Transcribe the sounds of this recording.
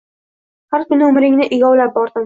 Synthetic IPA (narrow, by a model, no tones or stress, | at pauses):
haɾkʲʊnɪʊmɾɪŋnɪʔɪɡʲɒwlap̚bɒɾd̪ɪm